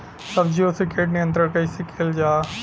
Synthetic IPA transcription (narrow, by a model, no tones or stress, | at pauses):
sɐbd͡ʒiosɪkeːʈnɪjə̃nt̪ɾəɾkɐisekʰeːld͡ʒaː